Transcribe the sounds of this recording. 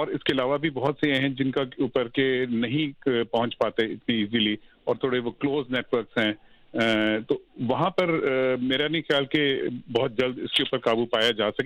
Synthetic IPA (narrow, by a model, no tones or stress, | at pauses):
ɔːɾɪskeɐlaːʋabʱibɔɦʊt̪sejeɦɛ̃d͡ʒɪnkauːpəɾkenɐɦĩpɐɦʊ̃ɲt͡ʃpaːt̪eɪt̪nĩːziliɔːɾt̪ʰoːɽeʋokloːzneːʈʋəɾksɦɛ̃ː | t̪oːʋɐɦãpɐɾmeːɾanixjaːlkebɔɦʊt̪̚d͡ʒɐld̪ɪskeuːpəɾkaːbupaːjad͡ʒaːsɐk